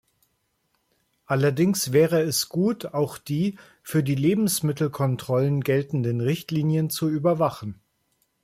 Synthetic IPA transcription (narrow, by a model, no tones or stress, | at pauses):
ʔalɐdɪŋsv̥ɛːʁəɛsɡ̥uːtʰaʊxd̥iː | fyːɐdiːleːbm̩smɪtl̩kʰɔntʁ̥ɔlənɡɛltn̩dənʁɪçtliːnjənt͡suyːbɐvaχn̩